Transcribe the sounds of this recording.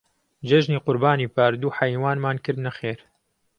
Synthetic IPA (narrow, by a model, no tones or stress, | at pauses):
d͡ʒeʒniːqʊɾbaːniːpʰaːɾd̪uːħɐjwaːnmaːnkɨɾd̪nɐxeːɾ